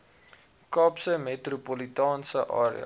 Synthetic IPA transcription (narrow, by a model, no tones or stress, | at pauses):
kɑːpsəmetrupolitɑːnsəʔɑ̰ːɾḭə̰